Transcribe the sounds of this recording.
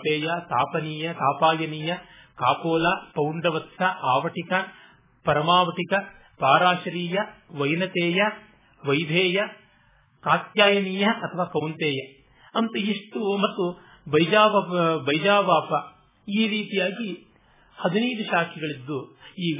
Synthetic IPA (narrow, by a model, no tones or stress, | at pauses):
peːjɐt̪a̰ːpɐniːjɐt̪aːpaːjɐniːjɐ | kaːpoːlapɐwɳɖɐʋɐt̪sɐʔaːʋɐʈikɐ | pɐɾɐmaːʋɐʈikɐ | paːɾaːʃɐɾiːjɐʋɐjnɐt̪eːjɐ | ʋɐjd̪ʱeːjɐ | kaːt̪jaːjɐniːjɐʔɐt̪ʰɐʋaːkɐwnt̪eːjɐ | ɐnt̪uiʂʈumɐt̪ːu | bɐjd͡ʒaːʋɐbɐjd͡ʒaːʋaːpɐ | iːɾiːt̪ijaːɡi | hɐd̪inɐjd̪uʃaːkʰiɡɐɭid̪ːuiː